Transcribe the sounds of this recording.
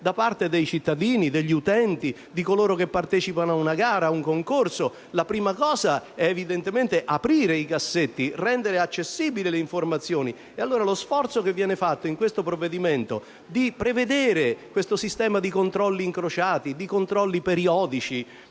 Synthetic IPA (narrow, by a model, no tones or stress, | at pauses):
d̪apart̪ed̪ejt͡ʃit̪ːad̪iːnid̪eʎːiut̪ɛnt̪i | d̪ikoloːɾokepːart̪ɛːt͡ʃipanoaunaɡaːɾauŋkoŋkorso | lapɾiːmakɔːzaɛːvid̪ent̪ement̪eʔapɾiːɾeikasːet̪ːirɛnd̪eɾeat͡ʃːesːiːbileleiɱformat̪sːjoːni | ealːoːɾalosfɔrt̪sokevːjɛːnefat̪ːoiŋkwest̪opɾovːed̪iment̪o̰ | d̪ipɾeved̪eːɾekwest̪osist̪ɛːmad̪ikont̪ɾɔlːiːŋkɾot͡ʃaːt̪id̪ikont̪ɾɔlːipeɾiɔːd̪it͡ʃi